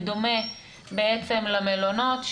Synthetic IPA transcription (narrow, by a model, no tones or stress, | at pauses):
d̪ome | beet͡semlamelono̞t̪ʃ